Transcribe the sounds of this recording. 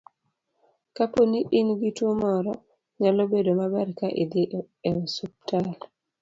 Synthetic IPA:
kaponiʔinɡitomɔɾɔ | ɲalobedomabaɾkaʔḭd̪i | ɛsup̚tal

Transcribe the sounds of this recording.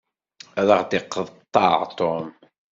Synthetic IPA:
æðˤəʁd̪ɪqːəðˤt̪ˤːɑʕt̪ˤom

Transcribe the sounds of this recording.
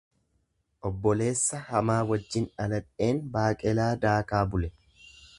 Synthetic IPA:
ʔɔbːɔle̞ːsːɐhɐmaːwɐd͡ʒːɪnɐlɐᶑe̞ːnbaːkʼɛlaːd̪aːkaːbʊlɛ

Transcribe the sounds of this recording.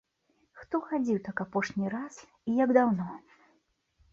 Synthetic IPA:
xt̪ɔxad͡zʲiwt̪akapɔʂnʲiɾas | ijaɡd̪awnɔ

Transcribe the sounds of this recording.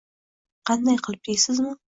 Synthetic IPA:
qʰɑnd̪ɑjqʰəlˠp̚t̪ejsɪzmə

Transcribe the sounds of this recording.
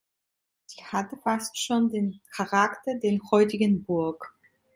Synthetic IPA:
z̥iːhatəfastʃoːndeːnkʰaʁaktɐdeːɐnhɔʏtɪɡənbʊɐk

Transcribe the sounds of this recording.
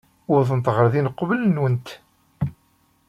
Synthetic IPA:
ʊɾðənt̪ˤʁəɾðinəqːvələnwənt̪

